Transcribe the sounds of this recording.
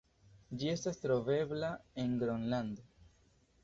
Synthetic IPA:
d͡ʒie̞stastɾo̞ve̞blae̞nɡɾonland̪o

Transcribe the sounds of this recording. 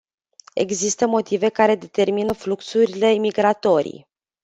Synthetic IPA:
e̞̰ɡzist̪əmo̞t̪ive̞kaɾe̞d̪e̞t̪e̞rminəfluksuɾile̞miɡɾat̪o̞ɾḭj

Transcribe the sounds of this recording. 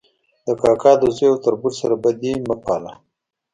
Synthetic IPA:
d̪əkɑkɑd̪əzejawt̪aɾbuɾsaɾabad̪iməpɑla

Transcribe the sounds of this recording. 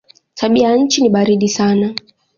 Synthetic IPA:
tʰaɓiajaɲ̩t͡ʃiniɓaɾiɗisana

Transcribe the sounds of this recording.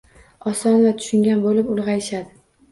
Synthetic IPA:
ɒsɒnvat̪ʰʊ̥ʃɪŋɡʲanbolɪpʊlˠʁɑjɪʃad̪ɪ

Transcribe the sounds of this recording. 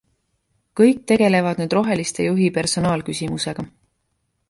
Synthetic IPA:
kɤjk̚t̪e̞ɡ̥e̞le̞vɑd̪nyːd̪ro̞ɦe̞list̪e̞juɦipe̞rso̞nɑːlkysʲimuse̞ɡ̥ɑ

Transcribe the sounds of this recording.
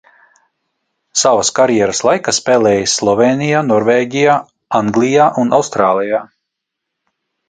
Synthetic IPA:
savaskaɾjɛːɾəslˠajkaspeːlʲˠɛːjsːlˠɔveːnijaːnɔɾveːɟʲijaː | aŋɡlʲˠijaːʔunʔa̰wst̪ɾaːlˠijaː

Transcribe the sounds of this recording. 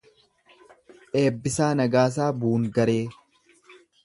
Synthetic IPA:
ʔeːbːɪsaːnɐɡaːs̬aːbuːŋɡɐɾeː

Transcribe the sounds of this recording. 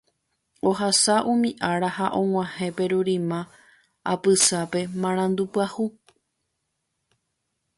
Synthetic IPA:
o̞hasaʔũmĩʔaɾahaʔõ̞ŋ̃ʷãhẽ̞pe̞ɾuɾĩmã | a̰pɨsape̞mãɾ̃ãnd̪upɨahu

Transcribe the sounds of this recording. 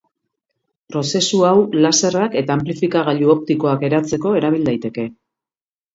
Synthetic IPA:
pɾo̞se̞suawlase̞rake̞t̪aːmplifikaɣ̞aʎuo̞p̚t̪iko̞ake̞ɾat͡se̞ko̞e̞ɾaβ̞ild̪ajt̪e̞ke̞

